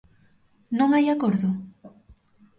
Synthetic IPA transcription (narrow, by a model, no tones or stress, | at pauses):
nõŋajakoɾðʊ